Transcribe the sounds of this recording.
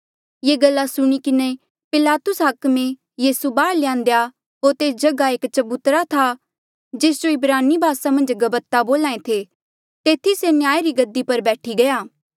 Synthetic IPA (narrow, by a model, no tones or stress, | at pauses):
jeːɡɐlːasʊɽ̃ikɪne | pɪlaːt̪ʊsɦɐkmẽ | jiːsubaːɽlɪjãːnd̪eja | ɦoːɾt̪eːsd͡ʒɐɡaeːkt͡ʃɐbut̪ɾat̪ʰa | d͡ʒeːsd͡ʒoɪbɾaːnibʱaːsamɐ̃nd͡ʒɡɐbət̪aboːlãːẽt̪ʰe | t̪eːt̪ʰisenjaːjeɾiɡɐd̪ːipɐɾbɛːʈʰiɡɐjaː